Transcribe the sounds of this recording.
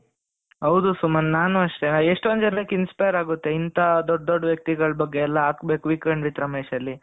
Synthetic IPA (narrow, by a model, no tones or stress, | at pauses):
ɦɐwd̪usumɐnnaːnuɐʂʈeeʂʈond͡ʒɐnɐkinspɐjɐɾaːɡut̪ːe̞int̪ɐd̪ɔɖd̪ɔɖːʋjɐk̚t̪iɡɐɭbɐɡːeːlːɐaːkbe̞ːkuʋikɾɐɳɖʋit̪ɾɐmeːʃɐlːi